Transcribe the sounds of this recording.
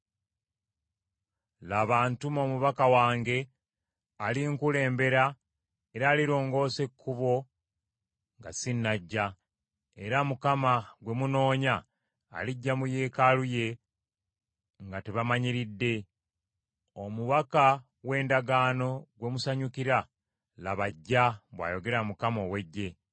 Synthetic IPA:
laːβaːntumo̞muβakawaːŋɡe̞ | aliŋkule̞ːmbe̞ɾa | e̞ɾaːliɾo̞ːŋɡo̞ːse̞kʰːuβo̞ | ŋɡasinːaɟːa | e̞ɾamukamaɡwe̞muno̞ːɲa̰ː | liɟːamuje̞ːkaluje̞ | ŋɡateβamaɲiɾidːe̞ | omuβaka | we̞ːndaɡaːno̞ɡwe̞musaɲukiɾa | laβaɟːaβwa̰ːjo̞ɡe̞ɾamukamo̞we̞ɟːe̞

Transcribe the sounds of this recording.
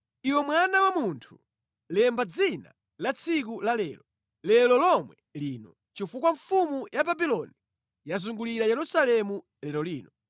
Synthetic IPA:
iwɛmwanawamuntʰu̥ | lɛmbad͡zina̰ | lat͡sʰik̬ulalɛːlɔ | lɛlɔlɔmwɛliːnɔ | t͡ʃifukwaɱfumujababilɔni | jazuŋɡuliɾajɛɾusalɛmu | lɛlɔliːnɔ

